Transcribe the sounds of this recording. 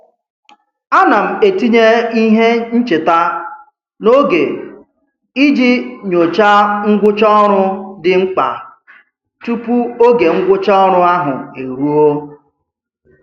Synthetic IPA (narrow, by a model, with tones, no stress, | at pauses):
a˦na˨m̩˨e˨ti˦ɲe˦i˦ɦe˦n̩˦t͡ʃe˨ta˦ | no˦ɡe˨ | i˦d͡ʒi˦ɲo˨t͡ʃa˦ŋ̩˦ɡʷʊ˦t͡ʃɔ˦ɔ˦ɾʊ˦dɪ˨ŋ͡m̩˦k͡pa̰˨ | tu˦pu˦o˦ɡe˨ŋ̩˦ɡʷʊ˦t͡ʃɔ˦ɔ˦ɾʊ˦a˦ɦʊ̰˨e˨ɾu˦o˦